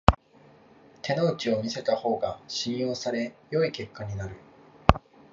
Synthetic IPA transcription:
t̪ʰe̞noɯ̟t͡ɕio̞mʲise̞t̪aho̞ːɡaɕĩɰ̃jo̞ːsaɾe̞jo̞ike̞kʰːaɲ̟inaɾɯ̟

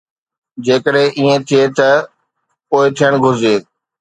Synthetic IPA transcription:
d͡ʑeːkəɗɦẽʔiẽt̪ʰiet̪ɐ | poːɪt̪ʰijəɽ̃ɡʱʊzeː

